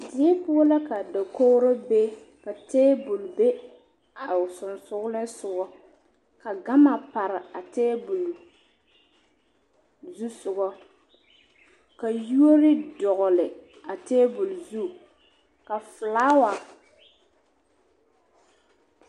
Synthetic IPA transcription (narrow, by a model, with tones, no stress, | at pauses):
dɪ˨ɛ˦pʊ˦ɔ˦la˦ka˨da˨ko˦ɾʊ˦be˦ | ka˨tɛː˦bʊ˨lbe˦ | a˨sʊ˨nsʊ˦ɣlɪ˦sʊ˨ɡɔ˦ | ka˨ɡa˦ma˨pa˨ɾɪ˨a˨tɛː˦bʊ˨l | zu˦sʊ˨ɡɔ˦ | ka˨ju˦o˦ɾɪ˦dɔ˨ɣʊ˨lɪ˨ | a˨tɛː˦bʊ˨lzu˦ | ka˨fʊ˨laː˦wa˨